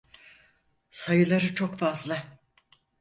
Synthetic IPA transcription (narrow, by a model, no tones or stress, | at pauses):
sajɯlˠaɾɯt͡ʃʰokfazlˠa